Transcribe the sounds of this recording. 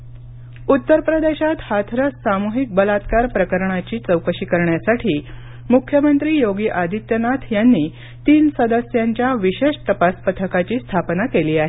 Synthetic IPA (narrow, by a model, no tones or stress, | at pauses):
ut̪ːəɾpɾəd̪eɕat̪hat̪ʰɾəsamuɦik̚bəlat̪kaɾpɾəkəɾɳat͡ɕiːt͡səwkəɕiːkəɾɳjasaʈʰiː | mukʰjəmənt̪ɾiːjoɡiːʔad̪ʱit̪jənat̪ʰjanːiː | t̪iːnsəd̪əsjaɲt͡ɕjaʋiɕeʂt̪əpaspət̪ʰəkat͡ɕiːst̪ʰapnakeliːaɦe